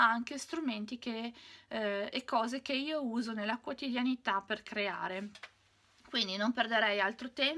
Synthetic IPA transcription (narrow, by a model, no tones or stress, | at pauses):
aŋkest̪ɾument̪ik̟e | kːɔːzekeiːouːzonelːakwot̪id̪janit̪apːerkɾea̰ːɾe | kwind̪inomperd̪eɾɛjalt̪ɾot̪ɛm